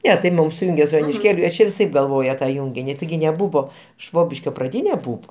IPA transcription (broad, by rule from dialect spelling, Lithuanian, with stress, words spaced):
ˈnʲɛ tɐɪ ˈmʊm sʊˈjʊŋʲɡʲeː sʊ joːnʲɪʃʲˈkʲeːlʲʊ ʋʲɪˈsɐɪp ɡɐlˠˈʋoːjɛ tɐ ˈjʊŋʲɡʲɪnʲɪ tʲɪˈɡʲɪ nʲɛˈbʊʋoː ˈʃʋoːbʲɪʃʲkʲoː prɐˈdʲiːnʲɛ ˈbuːʋoː